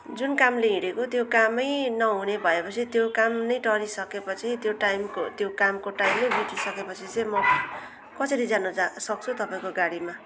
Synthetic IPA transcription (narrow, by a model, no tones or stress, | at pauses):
d͡zunkamleɦiɾekot̪jokamʌjnʌɦunebʱʌepʌt͡sʰit̪jokamnʌjʈʌɾisʌkepʌt͡sʰit̪joʈajmkot̪jokamkoʈajmlebit̪isʌkepʌt͡sʰit͡sʌ̃jmʌ | kʌsʌɾid͡zanusʌk̚t͡sʰut̪ʌpaĩkoɡaɽima